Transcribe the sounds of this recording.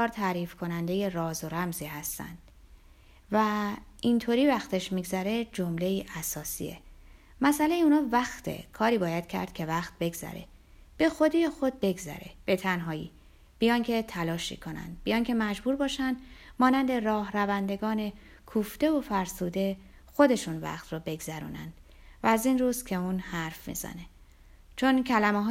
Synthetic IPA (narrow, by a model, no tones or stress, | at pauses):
ɒːɾt̪ʰæɾiːfkʰo̞nænd̪e̞je̞rɒːzoɾæmziːɦæst̪æ̰nd̪̥ | væint̪ʰoːɾiːvæxt̪ʰe̞ʃmiɡzæɾe̞d͡ʒomle̞iːʔæsɒːsḭḛ | mæsælejeuːnɒːvæxt̪ʰḛkʰɒːɾiːbɒːjæd̪̥̚kcʰæ̰ɾd̪̥̚cʲʰe̞væxt̪̚be̞ɡz̥æ̰ɾe̞̰ | b̥e̞xo̞d̪ijexo̞d̪̚be̞ɡzæ̰ɾe̞̰b̥e̞t̪ʰænɦɒːjḭː | b̥ijɒŋcʰe̞t̪ʰælɒːʃḭkʰo̞næ̰nd̪̚bijɒːŋcʰe̞mæd͡ʒbuːɾbɒːʃænd̪̥mɒːnænd̪e̞rɒːhrævænd̪e̞ɡɒːne̞ | kʰuːft̪e̞ofæɾsuːd̪e̞ | xo̞d̪e̞ʃunvæ̰xt̪robe̞ɡzæɾṵːnæ̰nd̪̥ | væːziːnruːzcʲʰe̞uːnhæɾfmḭːz̥æ̰ne̞ | t͡ʃʰo̞ncʰælæmeɦː